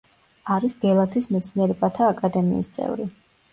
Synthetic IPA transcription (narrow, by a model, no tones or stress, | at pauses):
aɾisɡɛlˠat̪ʰismɛt̪sʰniɛɾɛbat̪ʰaːkʼad̪ɛmḭːst̪sʼɛ̰vɾi